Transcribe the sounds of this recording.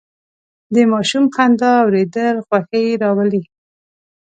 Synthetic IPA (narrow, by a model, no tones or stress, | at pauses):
d̪əmɑʃumxand̪ɑawɾed̪əlxwaxəjɾɑwali